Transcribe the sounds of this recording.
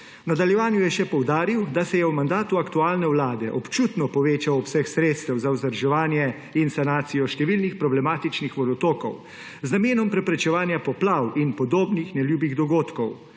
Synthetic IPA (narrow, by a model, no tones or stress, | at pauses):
nad̪aljɛʋaːnjujɛʃɛpɔwd̪aːɾiwd̪asɛjɛwmand̪aːt̪uakt̪uaːlnɛwlaːd̪ɛʔɔpt͡ʃuːt̪nɔpɔʋeːt͡ʃawɔpsɛxsɾeːt̪st̪ɛwzawzəɾʒɛʋaːnjɛ | insanaːt̪sijɔʃt̪ɛʋiːlnixpɾɔblɛmaːt̪it͡ʃnixʋɔd̪ɔt̪oːkɔ̰w | znameːnɔmpɾɛpɾɛt͡ʃɛʋaːnjapɔplawinpɔd̪oːbnixnɛljuːbiɣd̪ɔɡoːt̪kɔw